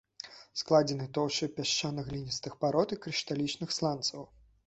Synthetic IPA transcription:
sklˠad͡zʲɛnɨt̪ɔwɕɨpʲaʂanɐɣlʲinʲist̪ɨxpaɾɔt̪ikɾʲiʂt̪alʲit͡ʂnɨxslˠant̪sɐw

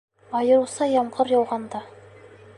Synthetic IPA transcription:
ɑjɤ̆ɾusɑjɑmʁɤɾjɑwʁɑnd̪ɑ

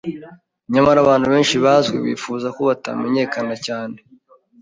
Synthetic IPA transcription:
ɲamaɾaβaːn̥huβe̞ːnʃiβazɡwḛβḭːfuːzakoβata̰me̞ɲe̞ːkanacaːne

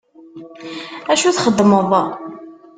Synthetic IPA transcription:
æʃuθχəd̪ːməðˤ

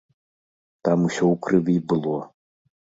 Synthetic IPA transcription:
t̪amusʲɔwkɾɨvʲibɨlˠɔ

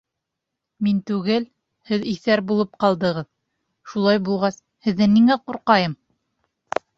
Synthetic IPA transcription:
mint̪ʉɡɘl | hɘðiθæɾbulˠɤp̚qɑlˠd̪ɤ̆ʁɤð | ʃulˠɑjbulˠʁɑs | hɘ̆ðːɘniŋæquɾqɑjɤm

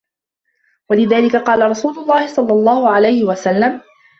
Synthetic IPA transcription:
walɪðaːlɪkaqɑːlaɾˤɑsuːlʊlˤːɑːhɪsˤɑlːɑlˤːɑːhʊʕalajhɪwasalːam

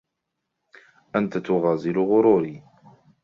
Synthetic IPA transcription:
ʔant̪at̪ʊɣɑːzɪlɣʊɾuːɾiː

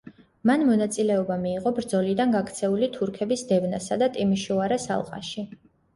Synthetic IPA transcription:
manmɔnat̪sʼilɛɔbamiːʁɔbɾd̪zɔlid̪anɡakʰt̪sʰɛulit̪ʰuɾkʰɛbisd̪ɛvnasad̪at̪ʼimiʃuaɾɛsa̰lˠqʼa̰ʃi

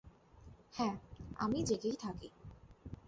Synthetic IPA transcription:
hɛ̃a̰mid͡ʑeɡejt̪ʰakḭ

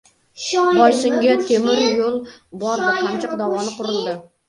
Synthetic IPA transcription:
bɒjsɪŋɡʲat̪ʰemɪɾjolˠbɒɾd̪ɪamt͡ʃʰɪqd̪ɒvɒnɪqʰʊɾɪlˠd̪ɪ

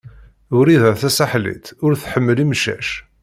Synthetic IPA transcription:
ʊɾiðæθæsaħlḭt̪ʊɾθħəmːəlimʃæ̰ʃ

